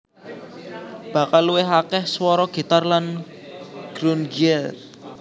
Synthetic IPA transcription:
b̥ä̤kalːuwɪɦakɛhswɔɾɔɡ̥i̤t̪arlan | ɡ̥ɾunɡiɛl

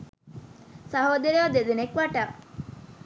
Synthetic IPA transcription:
saɦod̪eɾead̪ed̪enekʋaʈa

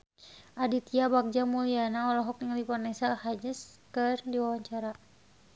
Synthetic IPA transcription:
ʔadit̪iabak̚d͡ʒamulianaɔlɔɦɔk̚jaŋlipɔrnɛsalhad͡ʒəskərdiwawaɲt͡ʃaɾa

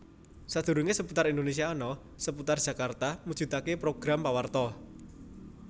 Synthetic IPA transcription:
sad̪̥ṳɾuŋesəput̪aɾind̪onesiaɔnɔ | səput̪ard̥ʒ̥a̤kart̪amud̥ʒ̥ṳt̪akepɾoɡ̥ɾampawart̪ɔ

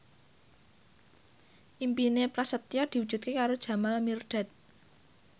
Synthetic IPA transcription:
ʔimpinepɾasət̪ijɔd̪̥i̤wud̥ʒ̥ṳt̪̚kekaɾod̥ʒ̥ä̤malmirɖ̪̥a̤t̪̚

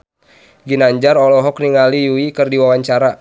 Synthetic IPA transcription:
ɡinaɲd͡ʒarɔlɔɦɔkniŋalijuikɨrdiwawaɲt͡ʃaɾa

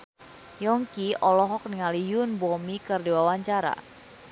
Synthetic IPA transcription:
jɔŋkiɔlɔɦɔk̚niŋalijʊnbɔmikɨrdiwawaɲt͡ʃaɾa̰

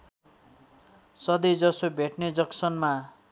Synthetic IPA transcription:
sʌd̪id͡zʌsobʱeʈned͡zʌksʌnma

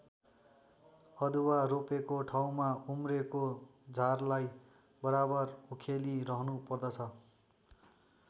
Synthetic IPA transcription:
ʌd̪uwaɾopekoʈʰaw̃maumrekod͡zʱarlaj | bʌɾabʌrukʰeliɾʌɦnupʌrd̪ʌt͡sʰʌ

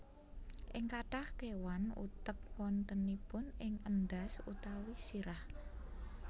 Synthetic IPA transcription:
ʔɪŋkaʈahkewanṵt̪ək̚wɔnt̪ənipʊnɪŋənd̪asut̪awisiɾah

